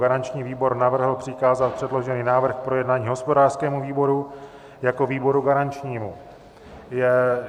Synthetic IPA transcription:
ɡaɾant͡ʃɲiːviːbo̞ɾnavr̩ɦl̩pr̥ɪkaːzalpr̝̥ɛdlo̞ʒɛniːnaːvr̩xkpɾo̞jɛdnaːɲiːɦo̞spodaːr̥skɛːmuviːbo̞ɾu | jako̞viːbo̞ɾuɡaɾant͡ʃɲiːmu | jɛ

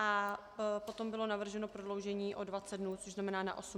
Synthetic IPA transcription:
ʔa | po̞t̪o̞mbɪlo̞navr̩ʒɛno̞pɾodlo̞wʒɛɲiːʔo̞dvat͡sɛd̪̚dnuːt͡soʒznamɛnaːna̰ʔo̞su

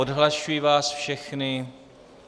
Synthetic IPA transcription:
odɦlaʃujivaːsfʃɛxnɪ

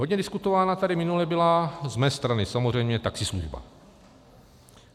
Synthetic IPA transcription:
ɦodɲɛdɪskut̪ovaːnat̪adɪmɪnulɛbɪlazmɛːst̪ɾanɪsamozr̝ɛjmɲɛt̪aksɪsluʒba̰

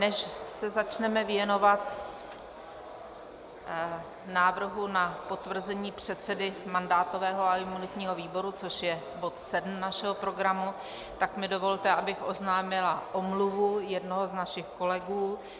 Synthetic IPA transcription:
nɛʃsɛzat͡ʃnɛmɛvjɛno̞vat̪ | naːvr̩ɦunapo̞t̪vr̩zɛɲiːpr̝̥ɛt̪t͡sɛdɪmandaːt̪o̞vɛːɦo̞aɪmunɪt̪ɲiːɦo̞viːbo̞ɾut͡so̞ʃjɛ | bo̞t̪sɛdm̩naʃɛɦo̞pɾo̞ɡɾamu | t̪akmɪdo̞vo̞lt̪ɛʔabɪxʔo̞znaːmɪlaʔomluvujɛdno̞ɦo̞znaʃɪxko̞lɛɡuː

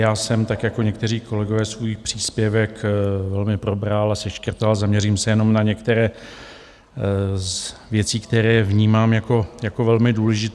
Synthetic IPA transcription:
jaːsɛmt̪akjako̞ɲɛk̚t̪ɛriːko̞lɛɡo̞vɛːsvujixpr̝̥iːspjɛvɛkvɛlmɪpɾo̞bɾalasɛʃkr̩t̪alzamɲɛriːmsɛjɛno̞mnaɲɛkt̪ɛɾɛː | vjɛt͡siːkt̪ɛɾɛːvɲiːmaːmjako̞jakovɛlmɪduːlɛʒɪt̪

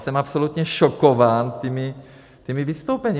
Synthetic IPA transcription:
sɛmapsolut̪ɲɛʃokovaːnt̪imɪ | t̪imivist̪owpɛɲi

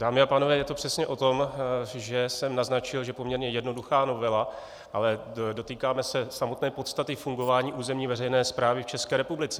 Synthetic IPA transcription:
d̥aːmɪapaːnovɛːjɛt̪o̞pr̝̥ɛsɲɛʔo̞t̪o̞mʒɛsɛmnaznat͡ʃɪlʒɛpo̞mɲɛɾɲɛjɛdnoduxaːno̞vɛla | ʔalɛdo̞t̪iːkaːmɛsɛsamot̪nɛːpo̞t̪st̪at̪ɪfuŋɡo̞vaːɲiːʔuːzɛmɲiːvɛrɛjnɛːspɾaːvɪft͡ʃɛskɛːɾɛpublɪt͡sɛ

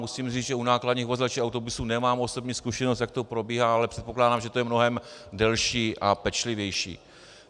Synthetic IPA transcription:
musiːmriːt͡sʒɛunaːkladɲiːxvozlat͡ʃiawt̪o̞busuːnɛmaːmʔo̞so̞bɲiːskuʃɛnost̪jak̚t̪opɾo̞biːɦaalɛpr̥ɛt̪̚poklaːdaːmʒɛt̪ojɛmno̞ɦɛmdɛlʃiːʔapɛt͡ʃlɪvjɛjʃḭː

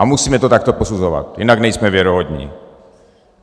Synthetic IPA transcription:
amusiːmɛt̪ot̪akt̪oposuzova̰t̪jɪnaɡnɛjsmɛvjɛɾoɦod̪ɲḭː

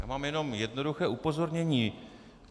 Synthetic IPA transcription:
ja̰ːmaːmjɛno̞mjɛdno̞duxɛːʔupo̞zo̞ɾɲɛɲiː

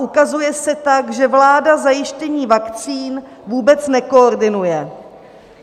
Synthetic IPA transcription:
ukazujɛsɛt̪akʒɛvlaːdazajɪʃcɛɲiːvakt͡siːn | vuːbɛt͡snɛkooɾdɪnujɛ

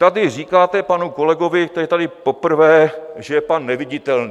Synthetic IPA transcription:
t̪adɪr̝iːkaːt̪ɛpanuko̞lɛɡo̞vɪkt̪ɛiɛt̪adɪpo̞pr̩vɛːʒɛjɛpanːɛvɪɟɪt̪ɛlni

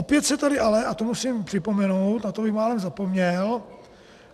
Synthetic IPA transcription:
opjɛt̪sɛt̪adɪʔalɛʔat̪omusiːmpr̥ɪpo̞mɛnowt̪nat̪obɪxmaːlɛmzapo̞mɲɛl

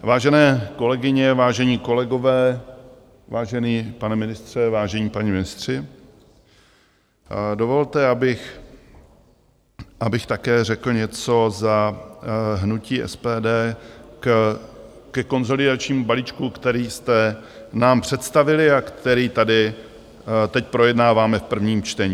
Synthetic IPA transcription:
vaːʒɛnɛːko̞lɛɡɪɲɛvaːʒɛɲiːko̞lɛɡo̞vɛː | vaːʒɛniːpanɛmɪnɪst̪r̝̥ɛvaːʒɛɲiːpaɲimɪnɪst̪r̝̥ɪ | do̞vo̞lt̪ɛabɪx | ʔabɪxt̪akɛːrɛkl̩ɲɛt͡so̞za | ɦnuciːʔɛ̰spɛːdɛː | kɛko̞nzo̞lɪdat͡ʃɲiːmubalit͡ʃkukt̪ɛɾiːst̪ɛ | naːmpr̥ɛt̪st̪avɪlɪakt̪ɛɾiːt̪adɪ | t̪ɛc̚pɾo̞jɛdnaːvaːmɛfpr̩vɲiːmt͡ʃt̪ɛɲiː

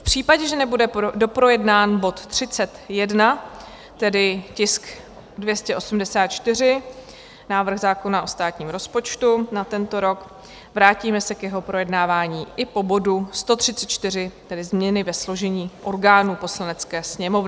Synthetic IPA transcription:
fpr̝̥iːpaɟɛʒɛnɛbudɛdo̞pɾo̞jɛdnaːnbo̞t̪ːr̝̥ɪt͡sɛt̪jɛdna | t̪ɛdɪcɪsk | dvjɛscɛʔo̞sumdɛsaːt̪̚t͡ʃt̪ɪr̝ɪ | naːvr̩ɣzaːko̞naʔo̞st̪aːt̪ɲiːmɾo̞spo̞t͡ʃt̪unat̪ɛnt̪o̞ɾo̞k | vɾaːciːmɛsɛkjɛɦo̞pɾo̞jɛdnaːvaːɲiːʔɪpo̞bo̞dust̪o̞t̪r̝̥ɪt͡sɛt̪t͡ʃt̪ɪr̝ɪt̪ɛdɪzmɲɛnɪvɛslo̞ʒɛɲiːʔo̞ɾɡaːnuːpo̞slanɛt͡skɛːsɲɛmo̞vnɪ

